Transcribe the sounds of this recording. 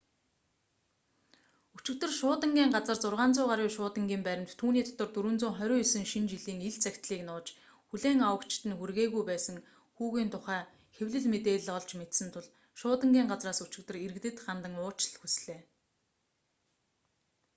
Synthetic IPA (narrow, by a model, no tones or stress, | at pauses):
ut͡ɕɪ̆kt̪ɵ̆rʃʊːt̪ə̆ŋɡʲiːŋɢat͡sə̆rt͡sʊrʁaːnt͡sʊːʁaɾiːʃʊːt̪ə̆ŋɡʲiːmpæɾʲɪ̆mt̪t̪ʰːuːniːt̪ʰɔ̥t̪ɞ̆rt̪uɾɘ̆nt͡sʊːŋχœɾʲʊːisɘ̆ŋʃint͡ɕiɮiːŋiɮt͡sækʲt̪ɮiːknʊːt͡ɕ | xuɮeːŋawə̆kt͡ɕʰɪ̥t̪ɘ̆nxurɣeːɣujpæːsə̆ŋ | xuːɣiːnt̪ʰʊχæː | xewɮɘ̆ɮmet̪eːɮɔɮt͡ɕmet̪sɘ̆nt̪ʰʊɮ | ʃʊːt̪ə̆ŋɡʲiːŋɢat͡sraːsut͡ɕɪ̆k̚t̪ɘ̆riɾɘ̆kt̪ɘ̆t̪χant̪ə̆ŋʊːt͡ɕɪɮxusɮeː